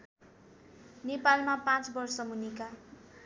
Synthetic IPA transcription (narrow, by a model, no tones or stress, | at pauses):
nepalmapãt͡sbʌrsʌmunika